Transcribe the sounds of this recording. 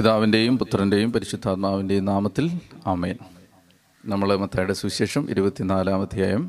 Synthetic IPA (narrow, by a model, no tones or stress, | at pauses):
piðaːʋinde̞jumput̪ːrɐnde̞jumpɐɾiɕid̪ʱːaːt̪maːʋinde̞jumnaːmɐt̪ːilaːmeːn | nɐmːɐɭmɐt̪ʰːaːjɽesʋiɕeːʂɐmʔḭɾubɐt̪ːinaːlaːmɐd̪ʱjaːjɐm